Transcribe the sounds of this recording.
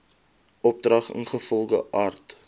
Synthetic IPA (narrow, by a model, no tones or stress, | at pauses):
ʔɔp̚drɐχə̰nχəfɔlˠχəʔaːrt